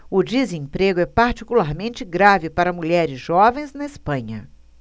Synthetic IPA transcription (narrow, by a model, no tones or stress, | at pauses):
ʊd͡ʒizẽpɾeɡʊɛpaɾt͡ʃikulaɾmẽnt͡ʃɪɡɾavɪpaɾɐmuʎɛɾɪzʒɔvẽj̃znɐɪspɐ̃ɲɐ